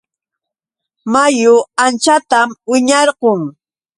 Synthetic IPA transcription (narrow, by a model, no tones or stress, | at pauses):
majʊant͡ʃat̪amwɪɲɑɾqoŋ